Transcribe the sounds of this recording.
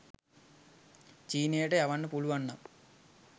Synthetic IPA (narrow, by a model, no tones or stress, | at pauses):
t͡ɕiːnejʈejɐʋɐɳːɨpuɭuʋɐɳːɐm